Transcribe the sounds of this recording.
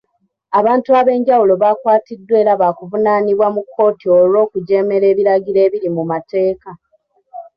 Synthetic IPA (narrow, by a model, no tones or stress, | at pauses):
aβaːntuaβe̞ːɲɟawulo̞βaːkwaːtidːwe̞ːɾaβaːkuvunaːniβwamukʰːo̞ːtio̞lo̞ːkuɟe̞ːme̞ɾe̞ːβiɾaɟiɾe̞ːβiɾimumate̞ːka